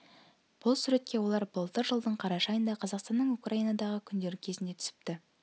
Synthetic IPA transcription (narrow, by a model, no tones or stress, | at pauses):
b̥ʊlˠsʉɾe̞t̪̚kʲe̞wo̞lˠɑɾbəlˠt̪əɾʒəlˠd̪əɴqʰɑɾɑʃɑjənd̪ɑqʰɑzɑqst̪ɑnːəɴukrainɑd̪ɑʁəkʲʰʏnd̪e̞ɾɪkʲʰe̞zɪnd̪e̞t̪ʰʏ̥sɪ̥p̚t̪ɪ